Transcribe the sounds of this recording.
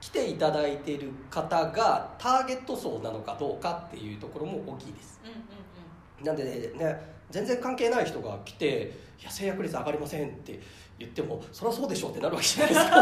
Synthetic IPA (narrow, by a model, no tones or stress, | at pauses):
kʲi̥t̪e̞it̪ad̪ait̪e̞ɾɯ̟kat̪aɡat̪ʰaːɡe̞t̪ːo̞so̞ːnano̞kad̪o̞ːkat̪ːe̞̰jɯ̟ːt̪o̞ko̞ɾo̞mo̞ʔoːkʲiːd̪e̞sɨ̥ | nãnd̪e̞ene̞zẽ̞nd͡zẽ̞ŋkãŋke̞ːnaiçi̥t̪o̞ɡa̰kʲi̥t̪e̞ | jase̞ːjakɯɾʲit͡ssɨaɡaɾʲimasẽ̞nt̪ːe̞̰ | jɯ̟t̪ːe̞mo̞soɾeaso̞ːd̪e̞ɕo̞ːt̪ːe̞naɾɯake̞ʑanajsk